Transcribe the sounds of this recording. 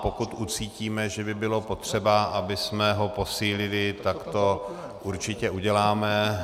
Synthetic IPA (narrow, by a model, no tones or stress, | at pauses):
pokut̪ut͡siːciːmɛʒɛbɪbɪlo̞po̞t̪r̝̥ɛbaʔabɪsmɛɦo̞po̞siːlɪlɪt̪akt̪o̞ | ʔuɾt͡ʃɪcɛʔuɟɛlaːmɛ